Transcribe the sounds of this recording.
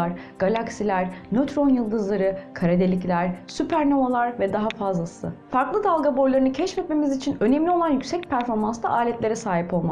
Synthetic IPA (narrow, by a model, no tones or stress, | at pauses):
aɾ | ɡ̥alʲaksilʲæɾnøt̪ʰɾo̞njɯlˠd̪ɯzlˠaɾɯkʰaɾad̪elʲiclʲæɾ̥sypʰæɾnovalˠaɾvɛd̪aɦafazlˠasɯ̰faɾklˠɯd̪alˠɡabo̞jlˠaɾɯnɯcʰɛt͡ʃfɛt̪me̞mizit͡ʃʰinø̞nɛmlʲio̞lˠanjycsɛc̚pʰæɾfo̞ɾmanstd̪a̰ʔaːlʲɛt̪lʲeɾɛsaːɦipo̞lˠma